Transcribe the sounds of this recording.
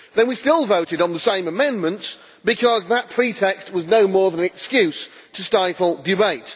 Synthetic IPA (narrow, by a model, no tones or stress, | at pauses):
ðə̃nwistɪlˠvoʊɾɨɾn̩ðəsẽɪ̃məmɛ̃nmə̃nts | b̥ɨkʰɒzðət̚pʰɹ̥itʰɛkst̚wʌznoʊmɔɹðə̃nɨkskjʉs | tʰəstaɪfl̩ˠdɪbeɪt